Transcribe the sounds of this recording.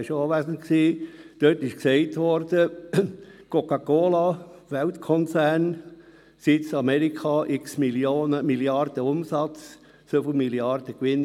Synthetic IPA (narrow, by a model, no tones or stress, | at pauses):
ɪʃɑːʋæsənksiːd̪̥øtɪʃksɛɪtʋɔɾd̥ə | kʰɔkɑkoːlɑʋæltkʰɔnt͡sæːn | sɪsɑmɛɾikʰɑʔɪksmiljoːnəmiljɑɾd̥əʊmsɑt͡s | fyfl̩miliɑɾd̥̪əkʋɪn